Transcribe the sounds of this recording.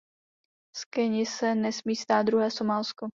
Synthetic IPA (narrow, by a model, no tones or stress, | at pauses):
skɛɲɪsɛnɛsmiːst̪aːt̪d̪d̪ɾuɦɛːsomaːlsko